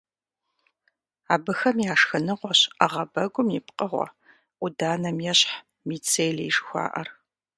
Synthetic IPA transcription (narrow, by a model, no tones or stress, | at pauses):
aːbɨxɐmjaːʂxɐnɨʁʷɔɕɐʁɐbɐɡʷʊmjɪpqəʁʷɔ̰ | ʔʷʊdaːnɐmjɛɕħ | miːt͡sʰeːjlɐjʂxʷa̰ːʔɐr